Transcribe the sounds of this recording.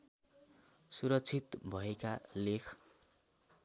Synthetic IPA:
suɾʌkt͡sʰit̪bʱʌekalekʰ

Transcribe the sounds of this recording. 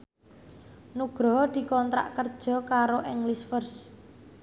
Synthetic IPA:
nuɡ̥ɾɔ̤d̪̥i̤kɔnt̪ɾa̰ʔkərd̥ʒ̥ɔ̤kaɾoʔɛŋlisfərs

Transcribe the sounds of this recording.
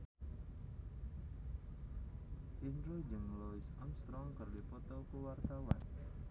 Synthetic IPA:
ʔinɾud͡ʒəŋlɔisamst̪ɾɔŋkərdipɔt̪ɔkəwart̪awa̰n

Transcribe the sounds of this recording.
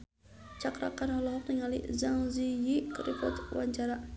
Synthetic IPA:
t͡ʃakɾa̰kanɔlɔɦɔk̚niŋalḭzaŋzijikɾipɔ̰t̪wa̰ɲt͡ʃaɾa

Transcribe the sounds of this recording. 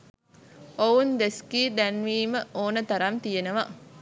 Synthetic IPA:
ʔound̪eskiːɖ̪ɛnʋiːməʔoːnət̪ɐɾɐnt̪ijenəʋɐ

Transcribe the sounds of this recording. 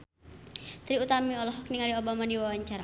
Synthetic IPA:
t̪ɾiut̪amiɔlɔɦɔk̚niŋaliobamadiwawaɲt͡ʃaɾa

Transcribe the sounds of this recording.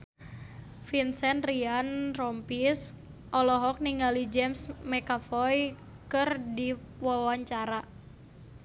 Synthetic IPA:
finsɛnrianrɔmpis | ʔɔlɔɦɔk̚niŋalid͡ʒɛmsmɛkafɔj | kɨrdi | wawaɲt͡ʃaɾa

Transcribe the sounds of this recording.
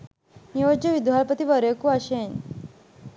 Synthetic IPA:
nijod͡ʑəʋid̪ʱʋalpət̪iʋəɾjekuaɕen

